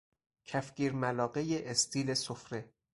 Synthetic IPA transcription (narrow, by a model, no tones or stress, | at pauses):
cʰæfɡʲiːɾmælɒːɢejeʔest̪ʰiːlesofɾe̞